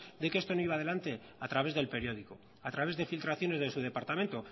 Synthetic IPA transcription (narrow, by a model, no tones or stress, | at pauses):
d̪ekest̪o̞noiβaðe̞lant̪e̞ | at̪ɾaβe̞zðe̞lpe̞ɾjo̞ð̞iko | at̪ɾaβe̞zðe̞filt̪ɾaθjo̞ne̞zðe̞suðe̞paɾt̪amẽnt̪o̞